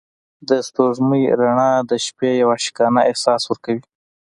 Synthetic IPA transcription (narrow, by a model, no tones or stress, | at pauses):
d̪əst̪oʐməjɾaɳɑd̪əʃpejawaʃɪ̥kɑnaʔehsɑswəɾkawi